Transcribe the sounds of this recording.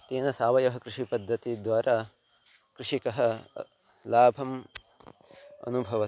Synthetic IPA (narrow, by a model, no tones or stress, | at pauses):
t̪eːnɐsaːʋɐjɐɦɐkɾɪʂipɐd̪ʱːɐt̪id̪ʋaːɾʔaː | kɾɪʂikɐɦɐ̆ | laːbʱɐm | ɐ̰nubʱɐʋɐ